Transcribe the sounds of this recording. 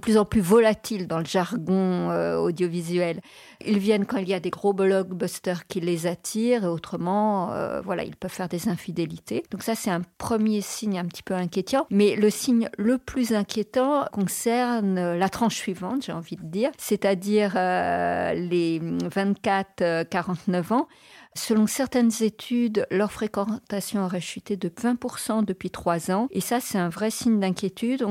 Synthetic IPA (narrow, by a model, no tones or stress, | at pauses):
əplyzɑ̃plyvɔlat̪ʰild̪ɑ̃ləʒaʁɡɔ̃øo̰d̪jɔvizɥɛl | ilvjɛnkɑ̃iljad̪eɡʁoblɔɡbɔst̪œʁkʲilezat̪ʰiʁeot̪χəmɑ̃ø̰vwala̰ḭlpœv̥fɛʁd̪ezɛ̃fid̪elit̪ʰed̪ɔ̃ksasɛt̪ɛ̃pχəmjesiɲɛ̃pət̪ʰi̥pøɛ̃kʲjet̪ɑ̃mɛləsiɲləplyzɛ̃kʲjet̪ɑ̃kɔ̃sɛʁnølat̪χɑ̃ʃsɥivɑ̃t̪ʒ̥eɑ̃vid̪əd̪iːʁsɛt̪ad̪iʁø | levɛ̃t̪katt̪χøkaʁɑ̃t̪nœvɑ̃ | səlɔ̃sɛʁt̪ɛnzet̪ʰyd̪lœʁfχekɑ̃t̪asjɔ̃ɔʁɛʃyt̪ed̪əvɛ̃puʁsɑ̃d̪əpɥit̪χwazɑ̃esasɛt̪ɛ̃vʁɛsiɲd̪ɛ̃kʲjet̪ʰyd̪̃